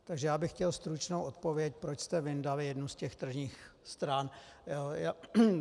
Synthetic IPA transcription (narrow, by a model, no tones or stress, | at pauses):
t̪aɡʒɛjaːbɪxcɛlst̪ɾut͡ʃnowʔot̪̚po̞vjɛc̚pɾot͡ʃst̪ɛvɪndavɪjɛdnuscɛxt̪r̩ʒɲiːx | st̪ɾan | a